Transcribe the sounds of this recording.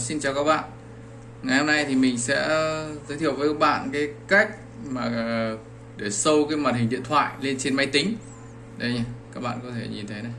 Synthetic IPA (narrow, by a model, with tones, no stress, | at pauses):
si˧nt͡ɕaː˨˩kaː˦˥k̚ɓa̰ː˧˨n | ŋa˨˩jho˧mna˧jt̪ʰi˨˩mï˨˩ŋ̟sɛ̰˧˥zəː˨˦t̪ʰi˧˨əwvəː˨˦˧ɓa̰ː˧˨nkaː˨˦jka˦˥jk̚ | maː˨˩˨ | ɗe˧˩sə˧wkaː˨˦jma˨˩t̚hï̟˨˩ɗḭ˧˨ənt̪ʰwa̰ː˧˨jle˧nt͡ɕe˧nma˧jt̪ï˨˦ŋ̟ | ɗə˨˦jɲaː˧˩kaː˦˥k̚ɓa̰ː˧˨kɔ˨˦t̪ʰe˧˩ɲi˨˩nt̪ʰə˨˦jna˨˩j